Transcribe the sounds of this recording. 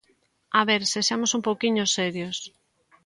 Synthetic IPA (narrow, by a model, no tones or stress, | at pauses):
aβeɾsesamosumpowkiɲosɛɾjos